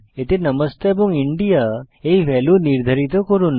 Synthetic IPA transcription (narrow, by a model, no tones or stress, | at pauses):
et̪enəməst̪eebuŋiɳɖija | eiʋɛluniɾd̪ʱəɾit̪ɔkəɾuːn